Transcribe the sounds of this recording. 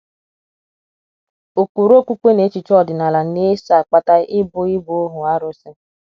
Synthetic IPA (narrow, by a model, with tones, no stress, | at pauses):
o˨kʷu˨ɾo˦˨kʷu˦kʷe˦ne˨˦t͡ʃi˨t͡ʃɔ˦˨dɪ˨na˨la˨ne˦sa˨k͡pa˦ta˦ɪ˦bʊ˦ɪ˦bo˦ɦʊ˨a˦ɾʊ˦sɪ˦